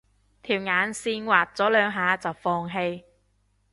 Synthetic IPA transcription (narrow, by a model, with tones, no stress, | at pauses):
t̪ʰiː˨˩wŋaː˨˥nsiː˧nwaː˨t̚t͡sɔː˨˥lœː˨˧ŋɦaː˨˧t͡sɐ˨wfɔː˧ŋɦe˧j